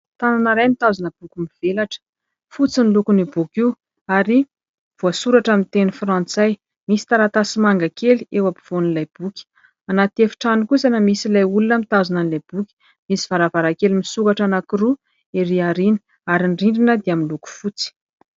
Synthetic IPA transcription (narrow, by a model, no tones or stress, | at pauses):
t̪ananaɾajmit̪azanəb̥ukʲumiv̥elaʈ͡ʂə̥ | fut͡sinlukunibukiw | aɾi | v̥oasuɾaʈ͡ʂamint̪enifrant͡saj | misi̥t̪aɾat̪asimaŋɡakeliewapi̥v̥onlajb̥ukʲi̥ | anat̪efi̥ʈ͡ʂanikuzanəmisilajulunəmit̪azananilajb̥ukʲi̥ | misi̥v̥aɾavaɾakelimisukaʈ͡ʂanakiɾu | eɾiaɾini̥ | aɾiɳɖ͡ʐiɳɖ͡ʐinəd̪iaminluku̥fut͡si̥